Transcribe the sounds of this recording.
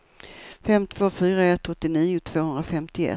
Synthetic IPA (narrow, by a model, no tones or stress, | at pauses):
fɛmt̪ʰv̥oːfyːɾaɛt̪ːɔt̪ːɪniːʊt̪ʰv̥oːhɵnd̪ɾafɛmt̪ɪɛ̰